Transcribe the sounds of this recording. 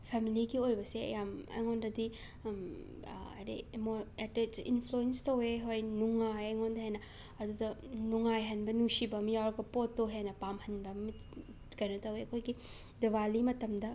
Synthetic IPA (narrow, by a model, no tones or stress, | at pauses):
pʰemiliɡiojbɐseɐ̰jamɐ̰jŋondɐdi | ɐ̰dḛmoetetḭnpʰluenstɐweɦojnuŋajɐjŋondɐɦenɐ | ɐdudɐnuŋajɦɐnbɐnusibɐmjawɾɐɡɐpotːoɦenɐpamhɐnbɐmi | kɐjnɐtɐweɐkʰojɡi | dewalimɐtɐmdɐ